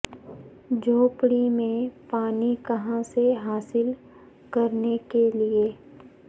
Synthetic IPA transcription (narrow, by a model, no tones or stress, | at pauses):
d͡ʒʱoːpɽimẽpaːnikɐɦãseɦaːsɪl | kɐɾnekelie